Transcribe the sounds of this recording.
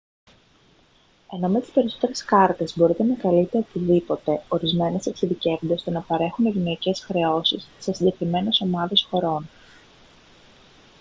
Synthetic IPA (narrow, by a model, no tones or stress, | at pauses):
e̞no̞met̪i̥spe̞ɾiso̞t̪e̞ɾe̞skɐɾt̪e̞zbo̞ɾit̪e̞nɐkɐlit̪eot̪iðipo̞t̪e̞o̞ɾizme̞neseksiðice̞vund̪est̪o̞nɐpɐɾe̞xuneʝino̞ice̞sxɾe̞o̞sisːesid̪ekɾime̞ne̞so̞mɐðe̞sxo̞ɾo̞n